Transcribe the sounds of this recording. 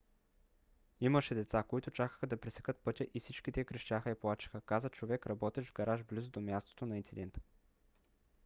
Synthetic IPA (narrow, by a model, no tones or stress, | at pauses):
iməʃɛd̪ɛt̪sakoit̪ʊt͡ʃakə̥xəd̪ɐpɾisɛ̥kət̪̚pɤt̪ʲjəʔifsit͡ʃkit̪ɛkɾəʃt̪ʲaxəiplˠat͡ʃi̥xəkazət͡ʃovɛkɾɐbɔt̪ɛʒvɡɐɾaʒblizod̪omʲjast̪o̥t̪onɐint̪sid̪ɛnt̪ə̥